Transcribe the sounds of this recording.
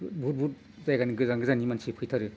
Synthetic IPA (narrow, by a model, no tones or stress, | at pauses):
but̚but | zajɡaniɡɯzaŋɡɯzanimansipʰɯjtʰaɾɯ